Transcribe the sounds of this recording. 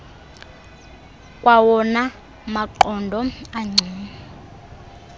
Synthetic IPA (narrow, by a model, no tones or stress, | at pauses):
kʼwawɔna | maǃɔndʱɔaŋ͡ǀʱiːa